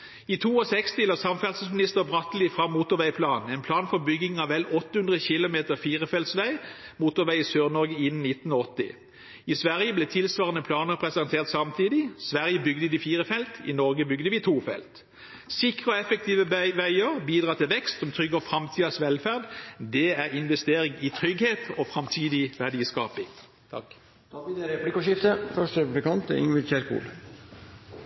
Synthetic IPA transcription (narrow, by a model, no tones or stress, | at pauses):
iːt̪ʰuːɔsɛkst̪ɪloːsɑmfæʁt̪səsmɪnɪst̪əʁbʁɑt̪l̩ɪfʁɑmuːt̪ʊʁʋæɪpʰlɑːnɛɪnpʰlɑːnfɔʁbʏɡɪŋɑːʋɛlɔt̪ːəhʉnd̪ʁəçɪlʊmeːt̪əʁfiːʁəfɛlt̪sʋæɪ | muːt̪ʊʁʋæɪiːsøːʁnɔʁɡəɪn̩nɪt̪n̩oɔt̪ːɪ̰ | isʋæʁjəblɛːt̪ʰɪlsʋɑːʁənəpʰlɑːnəʁpʰʁɛsɛnt̪ʰeːʁt̪sɑmt̪ʰiːd̪ɪsʋæʁjəbʏɡd̪əd̪ɪfiːʁəfɛlt̪ḭnɔʁɡəbʏɡd̪əʋɪt̪ʰuːfɛ̰lt̪ | sɪkʁəɔɛfək̚t̪iːʋəʋæɪəʁbiːd̪ʁɑːt̪ʰɪlʋɛkst̪sɔmt̪ʰʁʏɡɔfʁɑmt̪ʰiːd̪ɑsʋɛlfæːʁd̪d̪ɛæʁɪnʋɛst̪eːʁɪŋɪt̪ʰʁʏɡheːt̪ʰofʁɑmt̪ʰiːd̪ɪʋæʁd̪iːskɑːpɪŋ | t̪ʰɑ̰k | t̪ʰɑʋiːd̪əɾɛplɪkːɔʃɪft̪əfœʂʈɾɛpʉblɪkɑnt̪ɪ̰ŋʋɪçæɾkṵːl